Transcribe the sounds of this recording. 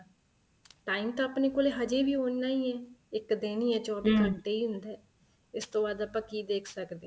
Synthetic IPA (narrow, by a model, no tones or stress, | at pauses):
ʈaːimt̪ãːəpneːkoːleːɦəd͡ʒeːʋiːoːnːaːiːɛːɪkd̪eːniːɛːt͡ʃɔːbiːt̪əɖeːiːɦʊ̃nd̪ɛː | ɪst̪õːbaːd̪əpãːkiːd̪eːkʰsəkd̪eː